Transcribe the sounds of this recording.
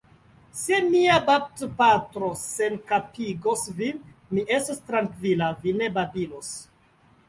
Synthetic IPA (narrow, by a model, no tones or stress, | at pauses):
semiabap̚tpatɾosenkapiɡosvin | miʔe̞stostɾaŋkvilavine̞babilos